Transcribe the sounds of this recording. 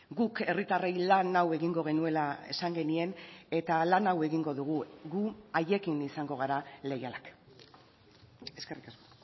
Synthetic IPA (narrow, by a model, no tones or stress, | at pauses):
ɡuke̞rit̪are̞jlanawe̞ɣiŋɡo̞ɣ̞e̞nue̞lae̞̰saŋɡe̞nie̞ne̞t̪alanawe̞ɣiŋɡo̞ðuɣ̞uɣuaje̞kinisaŋɡo̞ɣaɾale̞jalak | e̞ske̞rikasko